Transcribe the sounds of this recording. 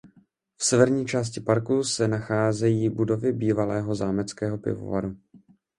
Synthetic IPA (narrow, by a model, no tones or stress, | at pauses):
fsɛvɛɾɲiːt͡ʃaːs̬cɪpaɾkusɛnaxaːzɛjiːbudo̞vɪbiːvalɛːɦo̞zaːmɛt͡skɛːɦo̞pɪ̰vo̰va̰ɾu